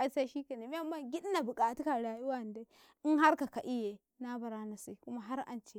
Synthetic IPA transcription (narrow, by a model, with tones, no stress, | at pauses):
ʔa˨jsa˦ʃiː˦ka˨ne˨m˦ɛ˦˨mːa˦˨ŋɡʲɪ˦ɗna˨bʊ˨kʼa˨tu˦ka˨ɽa˨ju˦wa˦˨n˨da˦ | ʔɪ˦ŋɦa˦ɾka˨ka˨ʔɪ˦je˨ | na˦ba˨ɾa˦na˨si˦˨kʊ˦ma˦ɦa˦ɾʔa̰˨nt͡ʃe˦